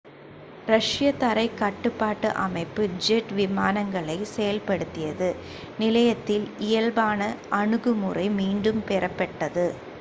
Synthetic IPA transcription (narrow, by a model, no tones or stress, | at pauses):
ɾɐʂɪjɐt̪ɐɾɐɪkɐʈːɯpːaːʈːɯʔɐmɐɪpːɯd͡ʒɛʈʋɪmaːnɐŋɡɐɭɐɪsɛjɐlpɐɽɯt̪ːɪjɐðɯ | nɪlɐjɐt̪ːɪlɪjɐlbaːnɐʔɐɳɯɣɯmɯrɐɪmiːɳɖɯmpɛɾɐpːɐʈːɐðɯ